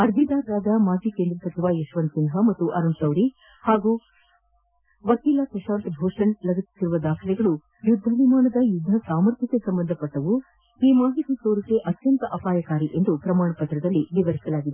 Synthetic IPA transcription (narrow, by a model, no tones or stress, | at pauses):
ɐɾd̪ʱid̪aːɾːaːd̪ɐmaːd͡ʒikend̪ɾɐsɐt͡ʃiʋajeʃʋɐnsind̪ʱɦɐmɐt̪ːuʔɐɾɐmsɐwɾi | haːɡu | ʋɐkiːlakɐʃaːnt̪bʱɔːʂɐɳlɐɡɐsi̥t̪ːiɾuʋɐd̪aːkʰilɛɡɐɭu | jud̪ʱːɐʋimaːnɐd̪ɐjud̪ʱːɐsaːmɐɾt̪ʰik̪esɐmbɐnd̪ʱɐpɐʈːɐʋu | iːmaːɦit̪isoːɾɐkeʔɐt̪jɐnt̪ɐʔɐpaːjɐkaːɾiʔe̞nd̪upɾɐmaːɳɐpɐt̪ɾɐd̪ɐlːiʋiʋɐɾisɐlaːɡid̪e